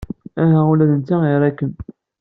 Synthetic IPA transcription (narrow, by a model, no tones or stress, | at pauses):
æɦæulæðənt̪ːaiɾˤækːən